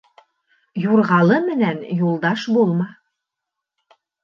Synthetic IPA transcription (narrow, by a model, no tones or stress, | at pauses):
juɾʁɑlˠɤmɘ̆nænjulˠd̪ɑʃbulˠmɑ